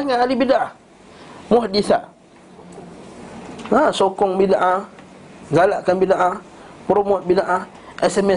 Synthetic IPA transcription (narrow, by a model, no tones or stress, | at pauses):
aŋaalibidaʔa | mʊɦdiθaʔ | asokɔŋbidaʔa | ɡalaʔkanbidaʔa | pɾomɔt̪̚bidaʔa | ʔɛsɛmɛ